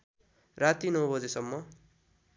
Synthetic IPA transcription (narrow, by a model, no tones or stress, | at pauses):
rat̪inʌwbʌd͡zesʌmːʌ